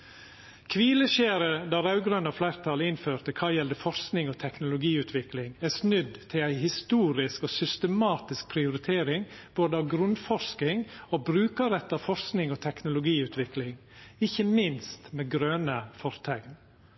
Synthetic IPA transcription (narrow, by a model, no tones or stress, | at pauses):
kʰʋiːləʃeːɾəd̪ɑɾɑʉɡɾœnɑflæɪɾt̪ʰɑːləɪnføːɾt̪əkʰɑːjɛld̪əfɔɾsknɪŋoːt̪ʰɛknʊlʊɡiːʉːt̪ʰʋɪklɪŋæsnʉd̪t̪ʰɪlæɪhɪst̪uːɾɪskoːsʏst̪əmɑːt̪ɪsk̚pʰɾɪʊɾɪt̪ʰeːɾɪŋb̥oːd̪əɑʋɡɾʉnfɔɾskɪŋoːbɾʉːkɑɾɛt̪ːɑʋfɔɾsknɪŋoːt̪ʰɛknʊlʊɡiːʉːt̪ʰʋɪklɪŋɪçːəmɪnst̪meːɡɾøːnəfɔɾt̪ʰɛɡn